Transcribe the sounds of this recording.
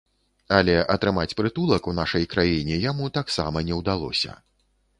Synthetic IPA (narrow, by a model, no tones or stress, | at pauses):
ɐlʲɛʔɐt̪ɾɨmat͡sʲpɾɨt̪ulˠɐkunaʂɐjkɾajinʲɛjamut̪aksa̰mɐnʲɛwd̪alˠɔ̰sʲɐ̰